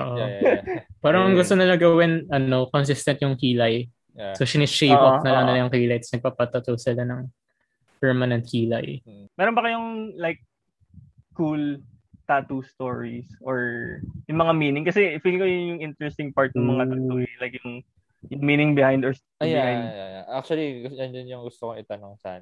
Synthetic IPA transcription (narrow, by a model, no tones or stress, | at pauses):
ʔo̰ːʔo | paːɾɐmɐŋɡʊst̪onɐlɐɡɐwɪnʔɐno̞kons̬ɪst̪ɐnt̪̚jʊŋkiːlɐj | soʃanɪʃejʔoknɐlɐŋnɪlajʊŋkiːlɐjt̪snɐɡ̚papɐt̪ɐt̪owsɪlanɐŋ | pɛɹmɐnɛnt̪̚kiːlɐ̰jmɛɾonbɐkɐjʊŋlajk̚ | kul | t̪at̪ust̪oɹisʔoɹjʊŋmɐŋamiːnɪŋkɐsɛfiɡɪŋkojʊjʊŋʔɪnt̪ɹɛst̪ɪŋpaɹt̪̚nɐŋmɐŋat̪at̪oɹilajkjʊŋ | jʊŋmiːnɪŋbɪhajnd̪oɹs | ajbɪaajnd̪jaja̰ʔak̚t͡ʃuɐliɡd͡ʒɐnd͡ʒɐnjʊŋɡʊst̪okoŋɪt̪ɐnoŋsa̰n